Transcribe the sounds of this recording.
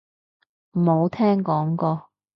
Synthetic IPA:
m̩˨˩mo˨˧wt̪ʰɛː˥ŋkɔː˨˥ŋkɔː˧

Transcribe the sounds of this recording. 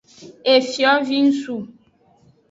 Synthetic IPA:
e˨fjɔ˨˦vi˦n̩˦su˦˨

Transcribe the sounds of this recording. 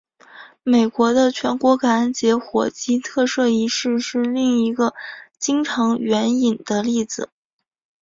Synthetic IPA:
me˨˩ɪkwɔ˧˥d̪ə˧t͡ɕʰɥɛ˧˥nkwɔ˧˥ka˧˩˥nt͡ɕjɛ˧˥xwɔ˨˩t͡ɕi˥t̪ʰɤ˥˧ʂɤ˥˩i˧˥ʂɻ̩˥˧ʂɻ̩˥˧li˥˩ŋi˧˥ɡə˧t͡ɕi˥ŋʈ͡ʂʰɤ˧˥ŋɥɛ˧˥ni˨˩nd̪̥ə˦li˥˩d͡zɹ̩˨˩

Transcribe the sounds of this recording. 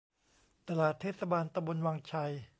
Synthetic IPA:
t̪a˧laː˨˩t̪ʰːeː˥˩t̪sa˧baː˧nt̪a˧mbo˧nwaː˧ŋt͡ɕʰa˧j

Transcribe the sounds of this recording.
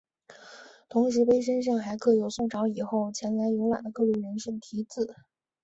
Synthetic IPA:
t̪ʰʊ˧˥ŋʂɻ̩˧˥pe˥ɪʂ̬ə˥nʂ̬ɤ˥˩ŋxa˧˥ɪkʰɤ˧˩jo˨˩ʊsʊ˥˩ŋʈ͡ʂɑ˧˥ʊi˨˩xo˥˩ʊt͡ɕʰjɛ˧˥nla˧˥ɪjo˧˥ʊla̰˨˩d̪ə˦˥kɤ˥˧ly˥˩ɻə˧˥nʂə˥˩ŋt̪ʰi˧˥t͡sɹ̩˨˩˦

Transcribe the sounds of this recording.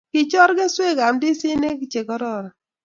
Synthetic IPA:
kɪ˨t͡ʃɔ˦ɾɡɛ˦swe˦˨ɡa˨mdi˦si˦ne˦kɪ˦t͡ʃe˨kɔ˦ɾɔ˦˨ɾɔ˨

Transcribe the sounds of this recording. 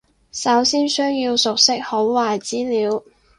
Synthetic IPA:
sɐ˨˥wsiː˥nsœː˥ŋjiː˧wsʊ˨k̚sɪ˥k̚ho˨˥wwaː˨jt͡siː˥liː˨˧w

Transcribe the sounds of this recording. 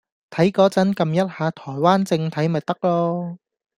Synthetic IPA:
t̪ʰɐ˨˥jkɔː˨˥t͡sɐ˨˥nkɐ˧mjɐ˥t̚haː˨˧t̪ʰɔː˨˩jwaː˥nt͡sɪ˧ŋt̪ʰɐ˨˥jmɐ˨t̚t̪ɐ˥k̚lɔː˥

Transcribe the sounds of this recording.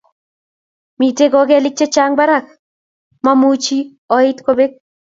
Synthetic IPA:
mi˨te˦ɡɔ˨ɡe˦lɪ˦t͡ʃe˦t͡ʃaŋba˦ɾa˨k | ma˦mut͡ʃi˦ | ɔ˨ɪ˦t̪ko˦be˦k̚

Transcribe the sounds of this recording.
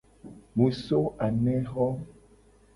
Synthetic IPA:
mũ˨so˦a˨nɛ̃˦ɣɔ˦

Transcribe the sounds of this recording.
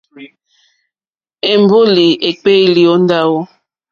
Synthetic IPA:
e˨m˦bo˦li˨e˨k͡pe˦i˦˨li˨ɔ˦n˦da˦wɔ˦

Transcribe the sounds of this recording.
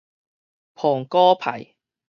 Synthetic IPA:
pʰɔː˨˩ŋkɔː˥pʰɐ̰˨˩j

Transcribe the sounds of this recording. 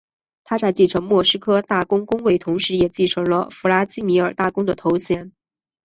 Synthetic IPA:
t̪ʰa˥t͡sa˥˧ɪt͡ɕi˥˩ʈ͡ʂʰɤ˧˥ŋmwɔ˥˩ʂɻ̩˥kʰɤ˥t̪a˥˩kʊ˥ŋkʊ˥ŋwe˥˩ɪt̪ʰʊ˧˥ŋʂɻ̩˧˥jɛ˨˩t͡ɕi˥˩ʈ͡ʂʰɤ˧˥lə̰˧fu˧˥la˥t͡ɕi˥mi˧˥ə˞˨˩t̪a˥˩kʊ˥ŋd̪ə˨t̪ʰo˧˥ʊɕjɛ˧˥n

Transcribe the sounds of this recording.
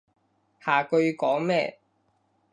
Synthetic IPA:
haː˨˩kɵ˧ɥkɔː˨˥ŋmɛː˥˧

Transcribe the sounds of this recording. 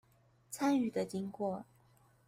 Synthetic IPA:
t͡sʰa˥ny˥˩d̪ə˨t͡ɕi˥ŋkwɔ˥˩

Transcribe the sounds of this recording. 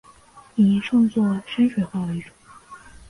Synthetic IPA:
ni˨˧˩ʂɑ˥˧ŋt͡swɔ˥˩ʂə˥nʂwe˨˩ɪxwɑ˥˩lə˩i˥˩ʈ͡ʂʊ˨˩˦ŋ

